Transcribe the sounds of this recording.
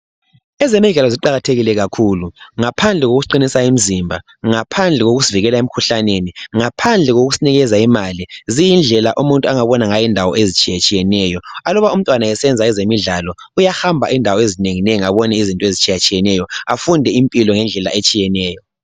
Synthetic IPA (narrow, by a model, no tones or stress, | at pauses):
ɛzemiɮɛlɔziǃaɣatʰeɣilɛɣakʰuluŋapʰand͡ɮʱɛɣoɣuǃinisaim̩zimbʱa | ŋapʰand͡ɮʱɛɣoɣuziviɣɛlaem̩kʰuɬaneniŋapʰand͡ɮʱɛɣoɣusiniɣɛzaimalizijind͡ɮʱɛla̰ʔumuntʼuaŋaβɔnaŋajindʱawɔ̰ʔezit͡ʃʼijat͡ʃʼijɛnɛjɔalɔβaum̩tʼwanaɛsɛnd͡zʱaɛzemiɮalɔ | ujahambʱa̰ʔindʱawɔezineŋinɛaβɔnɛizintʼɔezit͡ʃʼijat͡ʃʼijɛnɛjɔafundʱɛimpʼilɔŋɛnd͡ɮʱɛla̰ʔet͡ʃʼijɛnɛːjɔ